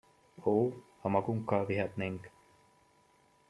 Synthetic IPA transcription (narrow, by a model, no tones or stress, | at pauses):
oːhɐmɐɡuŋkaːʋiɦɐt̪neŋɡe̥